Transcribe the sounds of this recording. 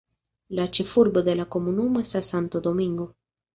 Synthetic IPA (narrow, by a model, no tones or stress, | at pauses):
lat͡ʃifuɾboðelakomunumesasant̪od̪omĩŋɡo